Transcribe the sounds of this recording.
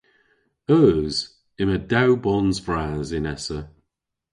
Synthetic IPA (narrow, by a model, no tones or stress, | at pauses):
əːz̥ | ɪmədawbɔnzvɹaːzɪnɛsə